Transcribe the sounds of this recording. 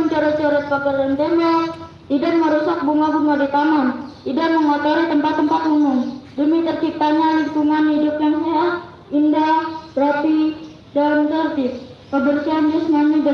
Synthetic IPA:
əɲt͡ʃɔɾɔt̪̚t͡ʃɔɾɛt̪̚pakərdant̪ema | t̪idanməɾɔsak̚buŋabuŋadit̪anant̪idaʔməŋɔt̪oɾit̪əmpat̪ːəmpat̪umʊŋdəmit̪ərt͡ʃip̚t̪aɲaliŋkuŋanhidup̚ɲansaah | indabɾap̪i | dalnt̪ərt̪ɪp̚pəbərsiand͡ʒɛsnanida

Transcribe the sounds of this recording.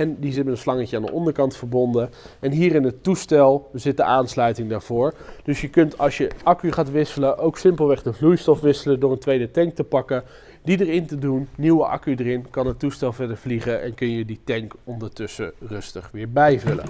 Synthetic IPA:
ɛndizɪtmɛtənslɑŋəcəaːndə̰ʔɔndəɹkɑntfəɹbɔndəɛnɦiːrɪnɦətustɛlˠzɪt̚dəʔaːnslœɥtɪŋdaːɹv̥ʊːɹd̥ɵsjəkɵntʰɑlˠsjəʔɑkyχaːtʋɪsələʔowksɪmpəlˠʋɛχdəvlujstɔfʋɪsələdʊːɹəntʋejdətɛŋk̚təpɑkə | didəɹɪntədunːiwəʔɑ̰kydərɪnkɑnɦətːustɛlˠvɛɹdəɹvliχəʔɛ̰nkɵnjəditɛŋkɔndəɹtɵsə̰rɵstəχʋɪːɹbɛjvɵlə̰

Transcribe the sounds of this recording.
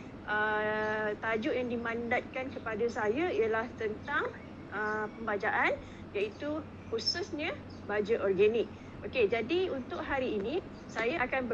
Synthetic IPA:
ʔə | t̪ad͡ʒʊʔjaŋdimãndat̪̚kankəpadasajaijəlaht̪ənt̪aŋ | ʔəpəmbad͡ʒaʔan | jait̪u | hususɲə̃ | bad͡ʒaʔɔrɡanɪk̚ | oked͡ʒadiunt̪ʊʔ̚ɦaɾiːnĩ | sajaʔakanbə

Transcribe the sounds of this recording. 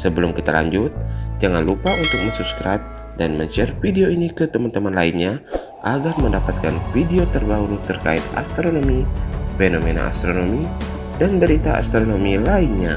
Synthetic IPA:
səbəlʊmkit̪ala̰ɲd͡ʒʊt̪̚d͡ʒaŋanlupaunt̪ʊk̚məɲsupskɾap̚ | danməɲt͡ʃɛrfideoinikət̪əmant̪əmanlainɲa | ʔaɡarməndapat̪̚kanfideot̪ərbauɾut̪ərka̰ɪt̪a̰st̪ɾonomifenomena̰ʔa̰st̪ɾonomi | danbəɾit̪aa̰st̪ɾonomilainɲa

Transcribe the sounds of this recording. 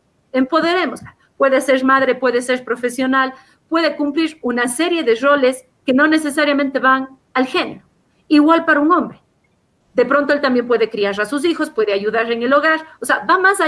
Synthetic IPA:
e̞mpo̞ðe̞ɾe̞mozla | pwe̞ðese̞ɾmaðɾe̞pwe̞ðese̞ɾpɾo̞fe̞sjo̞nal | pwe̞ðe̞kumpliɾunase̞ɾje̞ðe̞ro̞le̞s | ke̞no̞ne̞se̞saɾjamẽnt̪e̞βaŋ | alxe̞neɾo | iɣwalpaɾauŋõ̞mbɾe | ðe̞pɾo̞nt̪oelt̪ambje̞mpwe̞ðe̞kɾiaɾasus̬ixo̞spwe̞ðeaʝuðaɾeŋe̞lo̞ɣaɾoseabamasa

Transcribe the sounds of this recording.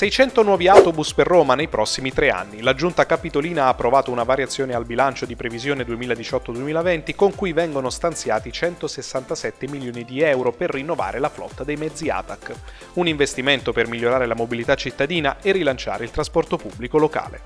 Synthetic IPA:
sɛjt͡ʃɛnt̪onwɔːviawt̪obusperːoːmanejpɾʔɔsːimit̪ɾea̰nːilad͡ʒunt̪akapit̪oliːnaːpːɾovaːt̪ounavaɾjat̪sːjoːnealbilant͡ʃod̪ipɾevizjoːned̪uemiːlad̪it͡ʃɔt̪ːod̪uemiːlavɛnt̪ikoŋkujvɛŋɡonost̪ant̪sjaːt̪it͡ʃɛnt̪osesːant̪asɛt̪ːemiljoːnid̪iɛwɾoperːinːova̰ːɾelaflɔ̰t̪ːad̪ejmɛd̪zia̰t̪akː | uniɱvest̪iment̪opermilʎːoɾaːɾelamobilit̪at͡ʃːit̪ːad̪iːnaerːilant͡ʃa̰ːɾeilt̪ɾaspɔrt̪opubːlikoloka̰ːlḛ

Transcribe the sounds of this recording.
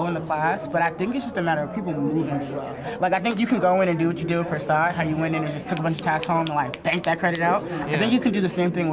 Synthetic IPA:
ʊɨ̃nðəkʰl̥æsb̥ʌɾaɪθɪ̃ŋkɨtsd̥ʒ̥ʌstɨmæɾə˞ʌv̥pʰipl̩ˠmuvɪ̃ŋslo̰ | lʔaɪkaɪθɪ̃ŋk̬jɨkʰɨ̃n̩ɡoʊɪ̃ɾ̃ɨ̃ndɨwʌt͡ʃɨdɨpʰə˞sɑd̚ɦaʊjɨwɛ̃ɾ̃tɨ̃nɨ̃d͡ʒʌstʰʊkəbʌ̃nt͡ʃɨ̥tʰæshõʊ̃mə̃nlaɪk̚b̥æ̃ŋk̚ðɨt̚kʰɹ̥ɛɾɨtⁿnaʊaɪθɪ̃ŋkjɨkʰɨ̃ndɨðɨsẽɪ̃mθɪ̃ŋw

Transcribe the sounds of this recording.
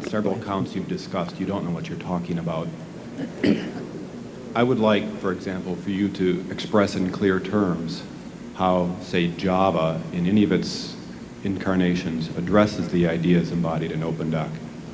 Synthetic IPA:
sɛvɹl̩ˠəkʰãʊ̃ntsjʉvdɨskʌstjɨɾõʊ̃nːoʊwʌt͡ʃə˞tʰɔkɪ̃ŋɨbaʊt̚ | aɪwədˡlaɪkfə˞ɨɡzæ̃mpl̩ˠfə˞jɨɾɨɨkspɹɛsɨ̃nkʰl̥ɪɹtʰɜ̃˞mz̥ | haʊseɪd͡ʒɑvəɨ̃nɛñiʌvɨts | ɨ̃nkʰɑɹneɪʃɨ̃nzɨdɹɛsɨzðiaɪdiɨzɨ̃mbɑɾiɾɨ̃noʊpɨ̃ndɛ̰k

